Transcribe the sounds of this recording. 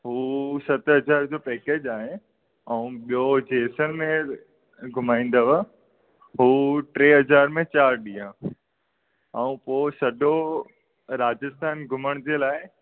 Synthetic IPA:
ɦuːsɐt̪ɦɐzaːɾd͡ʑoːpɛːkeːd͡ʑaːɦɪ | ɛ̃ũɓijod͡ʑeːsənmẽ | ɡʱʊmaːĩːn̆d̪əʋa | ɦuːʈɾeːɦɐzaːɾmẽt͡ɕaːɾɗĩːã | ɛ̃ũpoːsɐd̪ʱo | ɾaːd͡ʑəst̪ʰaːnɡʱʊməɽ̃d͡ʑeːlaːɪ

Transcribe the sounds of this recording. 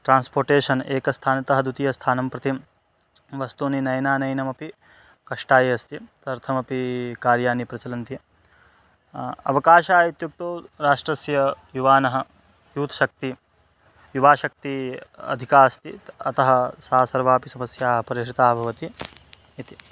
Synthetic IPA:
ʈɾaːnspoːɾʈeːʃɐneːkɐst̪ʰaːnɐt̪ɐɦɐd̪ut̪ijɐst̪ʰaːnɐmpɾɐt̪im | ʋɐst̪uːninɐjnaːnɐjnɐmɐpi | kɐʂʈaːjɐɐst̪it̪ɐɾt̪ʰɐmɐpikaːɾjaːnipɾɐt͡ʃɐlɐnt̪jɐ | ɐ̰ʋɐkaːʃaːit̪juk̚t̪oːɾaːʂʈɾɐsjɐjuʋaːnɐɦɐ̆ | juːt̪ɐ̥ʃɐk̚t̪i | juʋaːʃɐk̚t̪iɐ̰d̪ʱikaːst̪iɐt̪ɐɦɐsaːsɐɾʋaːpisɐmɐsjaːɦɐpɐɾiʃɾit̪aːbʱɐʋɐt̪iit̪i̥

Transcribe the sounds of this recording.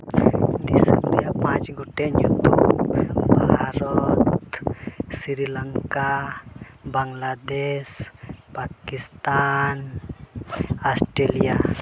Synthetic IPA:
d̪isa̰mɾijapãt͡ʃɡuʈeɲut̪u | bʱaɾɔt̪ | siɾilaŋka | baŋlad̪espakist̪an | asʈɾelija

